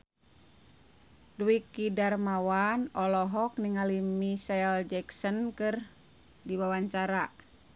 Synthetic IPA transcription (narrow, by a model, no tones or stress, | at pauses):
dwikidarmawanɔlɔɦɔk̚niŋalimisaɛld͡ʒɛksɔnkɨr | diwawaɲt͡ʃaɾa